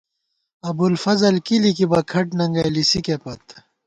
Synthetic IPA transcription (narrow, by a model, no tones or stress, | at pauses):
ɐbulfɐzɐlkilikibɐkʰɐʈnɐŋɡɐjlisikepɐt̪